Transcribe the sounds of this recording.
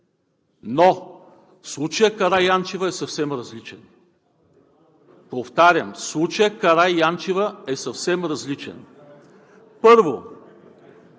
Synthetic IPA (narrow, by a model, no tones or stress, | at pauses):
no | slˠut͡ʃəjəkɐɾajant͡ʃivəɛsɐfsɛmɾɐzlit͡ʃɛn | poft̪aɾʲəmslˠut͡ʃəjəkɐɾajjant͡ʃivəɛsɐfsɛmɾɐzlit͡ʃɛ̰n | pɤɾvo